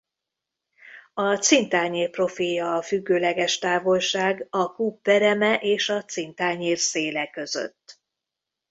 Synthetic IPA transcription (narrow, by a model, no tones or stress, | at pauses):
ɒt̪sint̪aːɲeːrpro̞filjɒːfyɡːøːlɛɡɛʃt̪aːvo̞lʃaːɡɒkuːpːɛɾɛmɛʔeːʃɒt̪sint̪aːɲeːrseːlɛkø̞zø̰t̪ː